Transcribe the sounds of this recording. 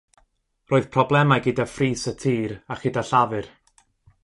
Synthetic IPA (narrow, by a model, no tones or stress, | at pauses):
roːɨð̥pʰrɔblˠɛmajɡɨdafriːsətʰiːɾaχɨdaɬavɨr